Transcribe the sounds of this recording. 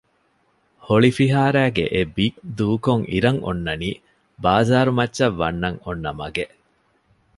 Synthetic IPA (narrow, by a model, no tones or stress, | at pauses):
hoɭifiɦaːɾæːɡḛʔebikd̪uːkoŋʔḭɾɐŋo̰nːɐniː | baːzaːɾumɐtːʃɐʋːɐnːɐŋonːɐmɐɡe